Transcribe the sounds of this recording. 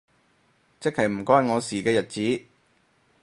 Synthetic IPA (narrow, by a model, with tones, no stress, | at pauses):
t͡sɪ˥khɐ˨˩jm̩˨˩kʷɔː˥jŋɔː˨˧siː˨˩kɛː˧jɐ˨t̚t͡siː˨˥